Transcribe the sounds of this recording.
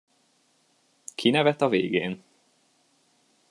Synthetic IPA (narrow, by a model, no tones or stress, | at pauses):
kʰinɛvɛt̪ɒveːɡeːn